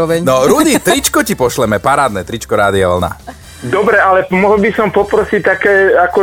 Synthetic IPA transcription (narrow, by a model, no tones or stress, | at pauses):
ɔʋɛɲnɔɾud̪it̪ɾit͡ʃkɔcipɔʃlɛmɛpaɾaːd̪nɛt̪ɾit͡ʃkɔɾaːd̪ia̰ʋl̩na̰ | d̪ɔbɾɛalɛmɔɦɔlbisɔmpɔpɾɔsic̚t̪akɛːakɔ